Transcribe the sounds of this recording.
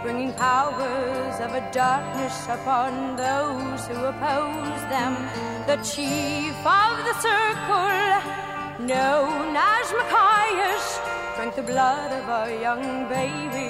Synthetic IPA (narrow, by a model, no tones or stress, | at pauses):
b̥ɹɪ̃ŋɪ̃ŋpʰaʊə˞zʌvɨdɑ˞k̚nɨsəpʰɑ̃nðoʊ | z̥huəpʰoʊzðɨ̃m | ðɨt͡ʃʰifʌvðɨsɜ˞kʰl̩l̩ˠ | nõʊnəzməkʰaɪɪʃ | b̥ɹɛ̃ŋk̚ðɨblʌɾʌvəə˞jʌ̃ŋ | beɪbi